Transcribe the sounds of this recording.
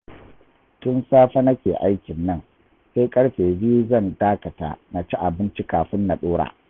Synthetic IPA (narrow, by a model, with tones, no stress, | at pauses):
tʊ˦nsaː˦ɸɐ˦nɐ˦kʲeː˨ʔa˦jkʲɪ˨nːɐ˦˨ŋ | se˦jkʼɐ˦ɽɸeː˨biː˦zɐ˦˨ndaː˦kɐ˨ta̰ː˨na˨t͡ʃi˦ʔa˨bɪ˦nt͡ʃi˦kaː˨ɸɪ˦nːa˨ɗoː˦ɽa̰ː˨